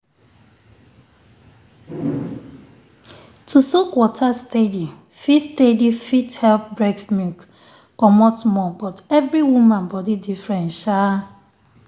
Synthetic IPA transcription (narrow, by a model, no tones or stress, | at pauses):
tʰusukwɔtʰastedi | fistedifithɛlp̚bɾɛkmuk | kɔmɔtmɔbɔtɛvɾiwumãnbɔdidifɾɛ̃nʃa